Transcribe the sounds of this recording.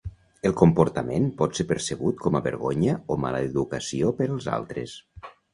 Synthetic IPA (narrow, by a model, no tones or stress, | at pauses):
əlˠkompuɾt̪əmenpɔt̪sepəɾsəɣut̪̚kʰɔməβə̰ɾɣoɲəoma̰ləðukəsiopəɾəlˠza̰lˠt̪ɾəs